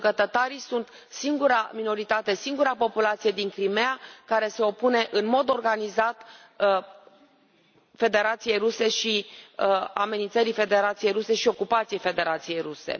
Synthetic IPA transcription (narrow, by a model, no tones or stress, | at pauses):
ɡət̪ət̪aɾisunt̪ | siŋɡuɾa̰mino̞ɾit̪at̪e̞siŋɡuɾapo̞pulat̪sije̞d̪iŋkɾimeakaɾe̞se̞o̞pune̞ʔɨnmo̞d̪o̞rɡanizat̪ | fe̞d̪e̞ɾat̪sije̞jɾuse̞ʃi | a̰me̞nint̪əɾife̞d̪e̞ɾat̪sije̞jɾuse̞ʃio̞kupat̪sije̞jfe̞d̪e̞ɾat̪sije̞jruse̞̰